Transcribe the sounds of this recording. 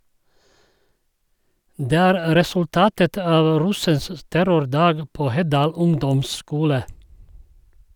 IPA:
ˈdeː ˈæːɾ ɾɛsʉlˈtɑːtət ˈɑːʋ ˈɾʉsəns ə ˈtæɾʊɾˌdɑːɡ ˈpoː ˈhɛˌdɑːl ˈʊŋdɔmˌskuːlə

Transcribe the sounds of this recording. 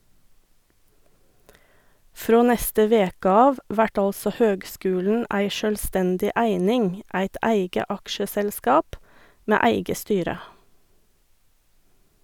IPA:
ˈfɾoː ˈnɛstə ˈʋeːkə ˈɑːʋ ˈʋæʈ ˈɑlsɔ ˈhøːɡˌskʉːln̩ ˈæɪ ʃœlˈstɛndɪ ˈæɪnɪŋ ˈæɪt ˈæɪɡə ˈɑkʃəsɛlˌskɑːp ˈmeː ˈæɪɡə ˈstyːɾə

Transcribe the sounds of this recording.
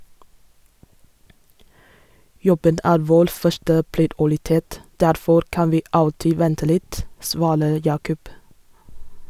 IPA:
ˈjɔbən ˈæːɾ ˈʋoːɾ ˈfœʃʈə pɾɪdʊɾɪˈteːt ˈdæɾfɔɾ ˈkɑn ˈʋiː ˈɑltɪ ˈʋɛntə ˈlɪt ˈsʋɑːɾə ˈjɑːkʊp

